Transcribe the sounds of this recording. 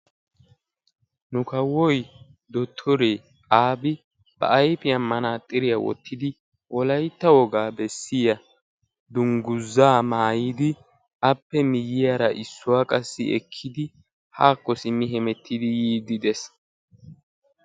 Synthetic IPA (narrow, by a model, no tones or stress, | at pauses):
nʊkɐwɔj | d̪ɔt̪ʰːɔɾeː | aːbɪ | b̥ɐ̰ʔɐjpɪjɐmːɐnaːt̪ʼːɪɾɪjɐwɔ̰t̪ʰːɪd̪ɪ | wʔɔlɐjt̪ːɐwɔɡaːbɛsːɪjɐ | d̪ʊŋɡʊzːaːmaːjid̪ɪ | ɐpːɛmɪjɪjaːɾɐʔɪsːʊwaːkʼɐsːɪ̰ɛ̰kʰːɪd̪ɪ | haːkːɔsɪmːɪɦɛmɛt̪ːɪd̪ɪjiːd̪ɪd̪ɛs